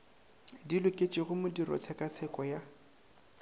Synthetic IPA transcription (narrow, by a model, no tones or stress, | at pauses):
dilʊkʼet͡ʃʼɪɣʊmʊdirɔ̰t͡sʰɛkʼat͡sʰɛkʼɔja